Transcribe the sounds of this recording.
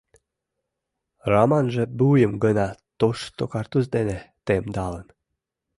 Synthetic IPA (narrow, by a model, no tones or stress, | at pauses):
ramanʒə̆bujəmɡənat̪oʂt̪okart̪uzd̪enet̪emd̪ɑlən